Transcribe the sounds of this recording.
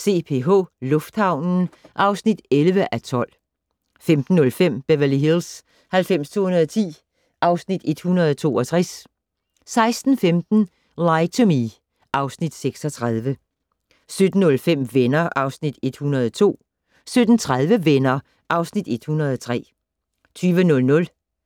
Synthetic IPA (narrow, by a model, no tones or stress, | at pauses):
se̝̰ːpʰe̝ɦo̝̰ːlɔ̽fd̥hɑ̈ʊ̰nn̩ʔɑ̈ʊsnid̥elʋəʔæt͡sʰɒ̽l̰ | femd̥n̩ːɔ̽lfem̰b̥æʋɐliɦils | hælfem̰st͡sʰo̝̰ːhunɐðˠt͡sʰḭː | ʔɑ̈ʊsnid̥e̝d̥hunɐð̞ˠɒt͡sʰo̝̰ːɒ̽t͡sʰʁɛsː | ɑ̈ɪsd̥n̩femd̥n̩ | lɑɪt͡sʰomi | ʔɑ̈ʊsnid̥seɡ̥sɒt͡sʰʁaðˠʋə | sød̥n̩ːɔ̽lfem̰ʋenɐʔɑ̈ʊsnid̥e̝d̥hunɐð̞ˠɒt͡sʰo̝̰ː | sød̥n̩t͡sʰʁaðˠʋəʋenɐ | ʔɑ̈ʊsnid̥e̝d̥hunɐð̞ˠɒt͡sʰʁɛ̰ː | t͡sʰyːʋənɔ̽lnɔ̽l